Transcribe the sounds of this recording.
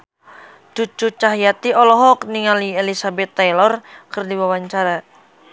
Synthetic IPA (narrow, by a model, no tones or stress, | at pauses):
t͡ʃut͡ʃut͡ʃaɦjat̪iɔlɔɦɔkniŋalielisabɛt̪ːajlɔrkɨrdiwawaɲt͡ʃaɾa